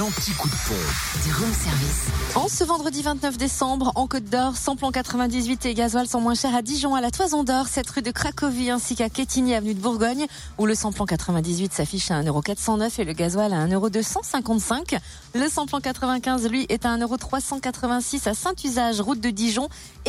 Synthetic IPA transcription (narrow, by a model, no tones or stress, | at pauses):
lɑ̃t̪ikud̪fɔ̰̃d̪iʁɛsɛʁvisɑ̃səvɑ̃d̪ʁəd̪ivɛ̃t̪nœfd̪esɑ̃bʁɑ̃kot̪̚d̪ɔʁsɑ̃plɑ̃kat̪χəvɛ̃d̪izɥit̪eɡazwalsɔ̃mwɛ̃ʃɛʁad̪iʒɔ̃alat̪wazɔ̃d̪ɔʁsɛt̪ʁyd̪əkχakɔviɛ̃sikakʲet̪ʰiniavənyd̪əbuʁɡɔɲ | uləsɑ̃plɑ̃kat̪χəvɛ̃d̪izɥit̪safiʃaɛ̃nəʁokat̪χsɑ̃nœfeləɡazwalaɛ̃nøʁod̪øsɑ̃sɛ̃kɑ̃t̪sɛ̃k | ləsɑ̃plɑ̃kat̪χəvɛ̃kʲɛ̃zlɥiʔɛt̪aɛ̃nəʁot̪χwasɑ̃kat̪χəvɛ̃sisasɛ̃t̪yzaʒʁut̪̚d̪əd̪iʒɔ̃